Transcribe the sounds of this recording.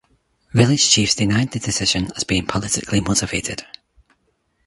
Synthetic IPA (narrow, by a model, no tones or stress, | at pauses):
vɪlˠɪd̥ʒ̥t͡ʃʰifsd̥ɪnaɪd̪̚ðədɪsɪʒə̃nəz̥biɪ̃ŋpʰəlˠɪtɪ̰kʰlˠimoʔɪv̥eʔɪd̥